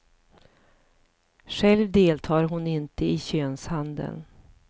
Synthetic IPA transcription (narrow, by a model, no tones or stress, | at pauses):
ʂɛlvd̪eːlt̪ʰɑːɾɦʊnɪnt̪əɪɕøːnshand̪ə̰n